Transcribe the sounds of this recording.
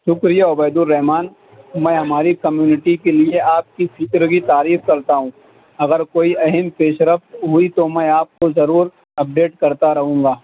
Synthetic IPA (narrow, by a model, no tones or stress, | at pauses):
ʃʊkɾijaʊbəːd̪ʊlːɛɦmaːn | mɛ̃ːɦɐmaːɾikɐmjuːnɪʈikelieaːp̚kipʰiːʈɾkit̪aːɾiːfkɐɾt̪aɦũː | ɐɡəɾkoːiʔɐɦɛmpeːʃɾəft̪ɦʊit̪omɛ̃aːp̚kozɐɾuːɾ | ɐp̚ɖeːʈkɐɾt̪aɾɐɦũːŋɡaː